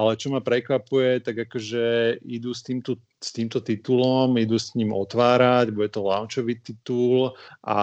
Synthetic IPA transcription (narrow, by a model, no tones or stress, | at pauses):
alɛt͡ʃɔmapɾɛkʋapujɛt̪aɡakɔʒɛid̪ust̪iːmt̪u | st̪iːmt̪ɔt̪it̪ulɔmid̪usɲiːmɔ̰t̪ʋaːɾaɟbuɟɛt̪ɔlant͡ʃɔʋiːt̪it̪ulʔa̰